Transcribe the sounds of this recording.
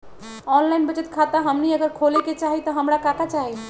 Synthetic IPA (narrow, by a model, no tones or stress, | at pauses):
ɔnlajnbət͡ʃet̪kʰat̪aɦəmniəɡəɾkʰoleket͡ʃaɦit̪ɔɦəmɾakakat͡ʃaɦi